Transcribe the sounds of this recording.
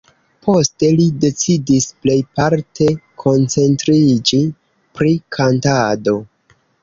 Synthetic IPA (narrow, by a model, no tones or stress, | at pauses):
pʰo̞ste̞lide̞t͡sidisple̞jpaɾtʰe̞kʰo̞nt͡se̞ntɾid͡ʒi | pɾikʰantado̞